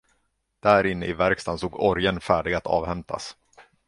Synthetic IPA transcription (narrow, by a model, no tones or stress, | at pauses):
d̪̥æːɾɪnːəʔɪvæɾkst̪ʰansoːɡɔɾjənfæːɖɪɡat̪ʰɑ̰ːvhɛmt̪ʰa̰s